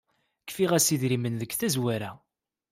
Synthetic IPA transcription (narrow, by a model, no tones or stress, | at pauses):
kːfiʁæsiðɾimənðəkθæzwæɾæ